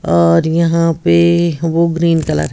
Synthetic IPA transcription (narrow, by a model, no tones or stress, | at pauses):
ɔːɾjɐɦãpeʋoɡɾiːnkɐlə̰ɾɦ